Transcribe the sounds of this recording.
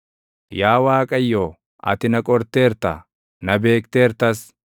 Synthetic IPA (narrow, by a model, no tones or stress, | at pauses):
jaːwaːkʼɐjːoː | ʔɐ̰t̪ɪnɐkʼɔɾt̪eːɾt̪ɐ̰ | nɐbe̞ːkt̪e̞ːɾt̪ɐs